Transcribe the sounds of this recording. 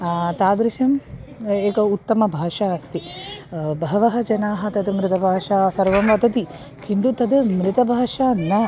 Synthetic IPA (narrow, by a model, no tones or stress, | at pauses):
t̪aːd̪ɾiʃɐmeːkɐut̪ːɐmɐbʱaːʂaːɐst̪i | bɐɦɐʋɐɦɐd͡ʒɐnaːɦɐ̆t̪ɐd̪mɾɪt̪ɐbʱaːʃaːsɐɾʋɐmʋɐt̪ɐt̪i | kʰind̪ut̪ɐd̪mɾɪt̪ɐbʱaːʂaːnːɐ